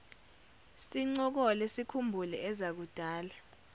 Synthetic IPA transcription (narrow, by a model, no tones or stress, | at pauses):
siŋ͡ǀɔk̬ɔlesikʰumbʱulɛɛzak̬ud̥ʱaːla